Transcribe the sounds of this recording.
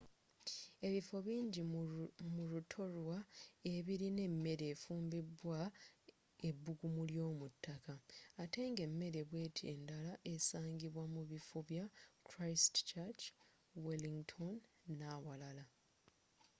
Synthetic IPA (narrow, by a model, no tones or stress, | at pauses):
e̞βifo̞βiːɲɟimulutʰolwae̞βiɾine̞mːe̞ɾe̞ːfuːmbibwa | e̞bːuɡumuljo̞ːmutːakaːte̞ːŋɡe̞mːe̞ɾe̞βwe̞ːtʰiḛndalaʔe̞saːŋɟiβwamuβifuβjakɾajstt͡ʃat͡ʃ | weliŋɡtʰonː | awalala